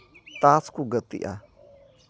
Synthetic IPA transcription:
t̪at͡skuɡət̪ḭʔa̰

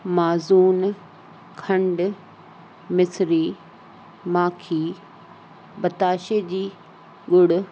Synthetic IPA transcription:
maːzuːn | kʰɐ̃ɳɖ | mɪsɾiː | maːkʰiː | bɐt̪aːʃed͡ʑiː | ɡʊɽʊ

